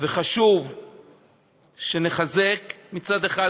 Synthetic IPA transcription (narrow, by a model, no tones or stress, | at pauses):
veχaʃuv | ʃene̞χazekmit͡sad̪e̞χa